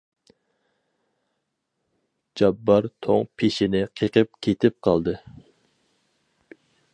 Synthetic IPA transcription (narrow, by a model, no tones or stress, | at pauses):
d͡ʒɑbːɑɾt̪ʰo̰ŋpʰeʃɪnɪqʰeqʰəp̚kʲʰet̪ʰɪp̚qʰɑlˠd̪ɨ